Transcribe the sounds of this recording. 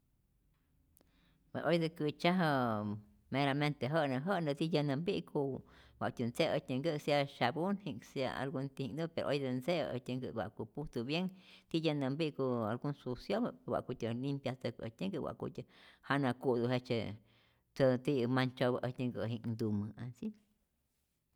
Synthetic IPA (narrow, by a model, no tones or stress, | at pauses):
pḛsʔojd̪əkɨt͡ʃaɦə | meɾament̪eɦəʔnaɦəʔnət̪ijənambiʔkʰuwʷa̰ʔt̪ənt͡seət̪ɲəŋɡəsaʃabunhiŋsja̰a̰lɡunt̪ihiŋd̪upeɾo̰ʔojd̪ənsḛʔə̰t̪ʲəŋɡɨ̰wʷa̰ʔkuput̪uβjeŋt̪ijənambiʔkualɡunsusjobəwʷa̰ʔkut̪ʲəlimpjat̪əkət̪ʲəŋɡɨwʷa̰kṵt̪ʲəhanakud̪uɦet͡ʃḛ | t͡sət̪imant͡ʃoβəʔətʲɲəŋɡə̰ɦiŋnd̪umɨansi